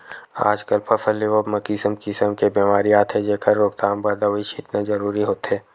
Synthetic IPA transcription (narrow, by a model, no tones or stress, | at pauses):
a̰ːd͡ʒkəlpʰɐsəlːeʋobmɐkisəmkɪsəmkebeːmaːɾijaːt̪ʰɦɛd͡ʒeːkʰəɾːoːkt̪aːmbəd̪aʋit͡ʃɪt̪nazɐɾuːɾiɦoːt̪ɦɛː